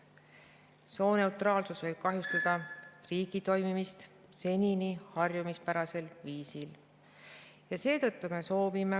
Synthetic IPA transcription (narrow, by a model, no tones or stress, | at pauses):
so̞ːne̞wt̪rɑːlsusvɤjb̥̚kɑɦjust̪ɑd̪̥ɑriːɡ̥it̪o̞jmimist̪ | se̞nʲinihɑrjumispæɾɑse̞lviːsil | jɑse̞ːt̪ɤt̪ːume̞so̞ːvime̞